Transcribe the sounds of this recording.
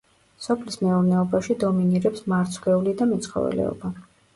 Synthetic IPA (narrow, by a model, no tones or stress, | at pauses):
sɔpʰlismɛuɾnɛɔbaʃid̪ɔminiɾɛpsmaɾt̪sʰɡɛulid̪amɛt̪sʰχɔ̰vɛ̰lɛ̰ɔ̰ba